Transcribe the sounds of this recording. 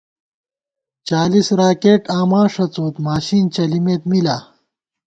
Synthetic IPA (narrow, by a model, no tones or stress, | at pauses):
t͡ɕaːlisɾaːkeːʈaːmãːʂɐt͡soːt̪maːɕiːnt͡ɕɐlimeːt̪milaː